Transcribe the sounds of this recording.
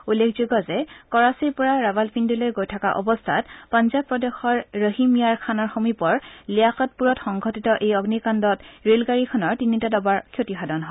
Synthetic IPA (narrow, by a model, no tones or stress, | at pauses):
ulːekʰzuɡɔzɛkɔɹasiɹpɔɹaɹabalpʰindilojɡojtʰakaʔɔ̰bɔstʰatpanzab̚pːɹɔdexɔɹːəɦimijaɹkʰanɔɹxomipɔɹlijaxɔt̚puɹɔtxɔŋɡʱɔtitɔʔejɔɡnikandɔtɹelɡaɹikʰɔnɔɹtinitadɔbaɹkʰjotixʰadɔnɦɔ